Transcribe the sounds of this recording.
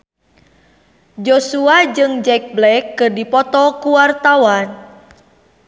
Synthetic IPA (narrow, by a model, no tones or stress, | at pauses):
d͡ʒosuad͡ʒɨŋd͡ʒɛk̚blɛkːɨrdipɔt̪ɔkuwart̪awan